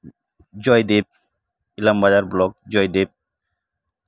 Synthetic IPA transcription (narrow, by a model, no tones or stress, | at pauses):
d͡ʑɔjd̪ep̚ | ilambazaɾblɔk̚d͡ʑɔjd̪ep̚